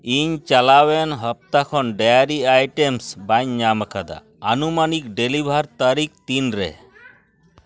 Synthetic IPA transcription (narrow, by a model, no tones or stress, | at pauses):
iɲt͡ʃalawɛnɦəp̚t̪akʰɔnɖajaɾiajʈemsbaɲːaməkʰad̪a̰ | anumanik̚ɖelibʱaɾt̪aɾik̚t̪inɾɛ̰